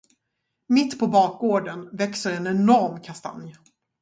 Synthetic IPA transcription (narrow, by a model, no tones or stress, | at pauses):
mɪt̪ːpʰɔbɑːk̚ɡoːɖənvɛksəɾɛnɛnɔɾmkʰast̪a̰nj